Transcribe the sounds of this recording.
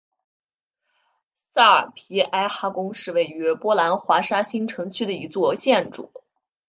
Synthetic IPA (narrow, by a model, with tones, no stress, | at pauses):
sa˥˩ə̰˞˨˩pʰi˧˥ʔa˥ɪxa˥˩kʊ˥ŋʂɻ̩˥˧we˥˩ɪy˧˥pwɔ˥la˧˥nxwa˧˥ʂa˥ɕi˥ŋʈ͡ʂʰɤ˧˥ŋt͡ɕʰy˥˩d̪ə˩i˧˥t͡swɔ˥˧ɕjɛ˥˩nʈ͡ʂṵ˨˩˦